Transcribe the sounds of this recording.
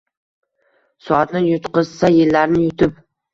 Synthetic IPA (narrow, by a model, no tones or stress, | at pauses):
sɒat̪nɪjʊt̪qɨzsajɪlːaɾnɪjʊt̪ʰɪp